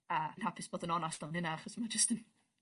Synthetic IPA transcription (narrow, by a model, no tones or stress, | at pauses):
ənhapʰɪsb̥oːdənɔnastɔnɪnaaχɔsmad͡ʒəstən